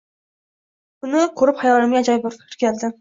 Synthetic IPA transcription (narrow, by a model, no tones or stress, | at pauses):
ʊnɪkʰɵɾɪpχajɒlˠːaɾɪmjad͡ʒɑjbʊɾɪɾkʲʰald̪ɪ